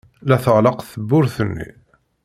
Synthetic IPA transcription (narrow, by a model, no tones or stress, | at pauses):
læθəʁləqθəbːʊɾθənːḭ